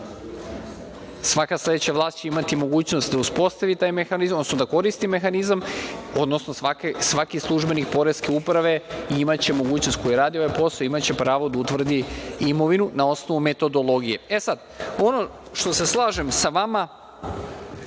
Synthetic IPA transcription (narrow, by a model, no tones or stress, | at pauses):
sʋakaslˠe̞d̪et͡ɕaʋlˠaːst̪t͡ɕeimat̪imo̞ɡuːt͡ɕnost̪̚d̪auspo̞st̪aʋit̪aːjmexanizmodnosnod̪ako̞ɾist̪ime̞xanizamo̞d̪no̞snosakesʋakislˠuʒbe̞nikpo̞ɾe̞ske̞upɾaʋe̞iimat͡ɕe̞mo̞ɡuːt͡ɕnost̪̚ko̞jeɾaːd̪io̞ʋajpo̞saimat͡ɕe̞pɾaːʋod̪aut̪ʋr̩d̪iimo̞ʋinunao̞snoʋume̞t̪o̞d̪o̞lˠo̞ɡije̞e̞sad̪ | o̞no̞ | ʃt̪o̞se̞slˠaːʒe̞msaʋama